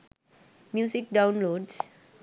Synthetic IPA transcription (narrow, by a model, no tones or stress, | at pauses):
mjusik̚dãw̃nlods